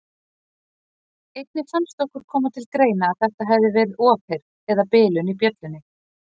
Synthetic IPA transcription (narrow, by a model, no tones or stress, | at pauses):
ejt̪̚nɪfanst̪ɔhkʏɾ̥kʰɔːmʏt̪ʰɪlkɾeːjnaːðθɛht̪aɦɛvðɪvɛɾɪðɔːphejɾ | ɛðapɪːlʏnipjœt̪lʏnːɪ